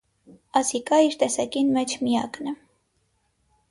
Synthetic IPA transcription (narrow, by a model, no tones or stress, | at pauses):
ɑsikɑiɾt̪ɛsɑkinmɛt͡ʃʰmijɑknɛ